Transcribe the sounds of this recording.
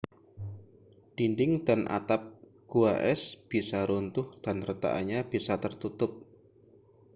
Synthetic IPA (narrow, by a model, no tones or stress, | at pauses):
d̥indɪŋdanʔa̰t̪ap̚ | ɡ̥uaʔɛsb̥isaɾunt̪ʊhd̥anrət̪a̰ʔa̰ɲab̥isat̪ərt̪ut̪ʊp̚